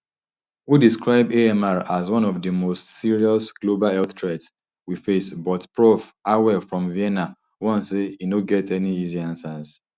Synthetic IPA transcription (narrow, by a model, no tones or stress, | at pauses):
widiskɹaɪbeɛmaɹazwɔ̃nɔvdəmostsiɹiɔsɡ̥lobalɛlθtɹɛts | wifesbɔtpɹofawɛfɹɔ̃mviɛna | wɔ̃nseinoɡɛtɛniiziãnsaz̥